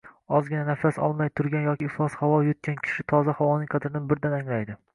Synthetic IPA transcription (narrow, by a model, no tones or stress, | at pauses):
ɒzɡʲɪnanafasɒ̰lˠmajt̪ʰʊɾɡʲanjɒkʲɪːχlˠɒshawɒjʊt̪̚kʲankʲʰɪ̥ʃɪt̪ʰɒzahawɒnɪŋqʰɑd̪ɾɪnɪbɪɾd̪anaŋlajd̪ɪ